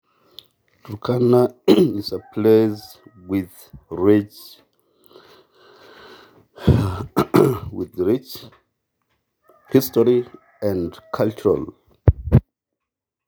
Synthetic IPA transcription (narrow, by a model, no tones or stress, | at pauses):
d̥ukʰanaisəpʰlez | wið | ɹit͡ʃ | wiðɹit͡ʃ | histɔɹi | ãndkʰalt͡ʃuɹa̰l